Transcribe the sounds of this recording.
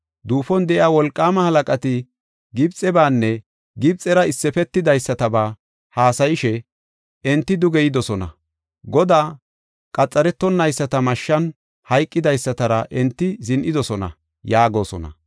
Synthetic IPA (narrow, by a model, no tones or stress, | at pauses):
d̪uːfɔnd̪ɛʔɪaːwɔlkʼːaːmɐhɐlɐkʼɐt̪ɪ | ɡɪbt͡sʼːɛbaːnːɛ | ɡɪb̚t͡sʼɛɾɐɪsːɛfɛt̪ːɪd̪ɐjsːɐt̪ɐbaː | haːsɐjɪʃɛ | ɛnt̪ːɪd̪ʊɡɛjɪd̪ɔsɔnɐ̰ | ɡɔd̪aː | kʼɐt͡sʼːɐɾɛt̪ːɔnːɐjsːɐt̪ɐmɐʃːɐn | hɐjkʼːɪd̪ɐjsːɐt̪ɐɾɐʔɛnt̪ːɪzɪnʔɪd̪ɔsɔnɐ̰ | jaːɡo̞ːsɔnɐ̰